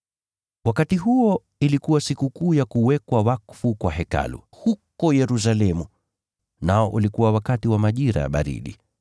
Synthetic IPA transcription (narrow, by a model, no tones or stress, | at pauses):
wakatiɦuɔ | ilikuwasikukuːjakuwɛkwawakfukwaɦɛka̰lṵ | hukɔjɛɾus̬alɛmu | naɔʔulikuwawakatiwamaʄiɾa̰ja̰ɓa̰ɾḭɗḭ